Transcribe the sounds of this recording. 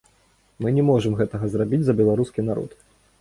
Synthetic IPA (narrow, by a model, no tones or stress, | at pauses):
mɨnʲɛmɔʐɨmɣɛt̪ɐɣɐzrabʲid͡zʲzɐbʲɛlˠaɾuskʲinaɾɔ̰t̪